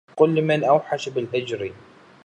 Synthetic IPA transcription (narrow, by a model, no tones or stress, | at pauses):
qʊlːmɪnʔawħaʃbɪlhɪd͡ʒɾi